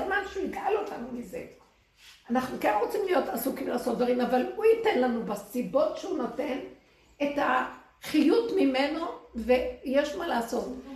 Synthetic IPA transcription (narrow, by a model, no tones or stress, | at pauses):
zmanʃeuiɡalotʰanumize̞̰ | anaχnukenʁo̞t͡simlijo̞tasukimlaːso̞t̪d̪vaʁimavalhuite̞nlanubesibo̞tʃeunote̞n | eta | χijutmime̞no̞vejeʃmalaːso̞t